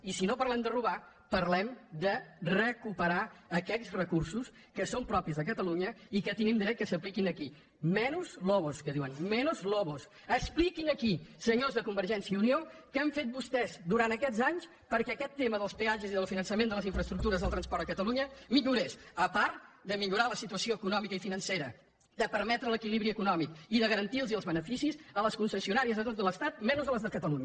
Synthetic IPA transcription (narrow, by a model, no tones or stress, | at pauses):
isinopəɾlɛmd̪əruβ̞a | pəɾlɛmd̪ərəkupəɾaːkɛsrəkursus | kəsompɾɔpizðək̬ət̪əluɲəikət̪inimd̪ɾɛt̪̚kəsəplikinəki | mɛnuzlɔβuskəðiwənmɛnuzlɔβus | əksplikinəkisəɲozðəkumbəɾʒɛnsiəuniokɛɱfet̪̚bust̪ɛzd̪uɾant̪əkɛd͡zaɲs | pəɾkɛəkɛt̪ːeməðəlˠspeaʒəziðəlˠfinənsəmend̪ələziɱfɾəst̪ɾukt̪uɾəzðəlˠt̪ɾənspɔɾt̪əkət̪əluɲəmiʎuɾesəpaɾt̪d̪əmiʎuɾaləsit̪uəsioəkunɔmikəifinənseɾə | d̪əpəɾmɛt̪ɾələkiliβɾiəkunɔmikiðəɣəɾənt̪ilˠziəlˠzβənəfisizələskunsəsiunaɾiəzət̪ot̪ələst̪at̪̚mɛnuzələzðəkət̪əluɲə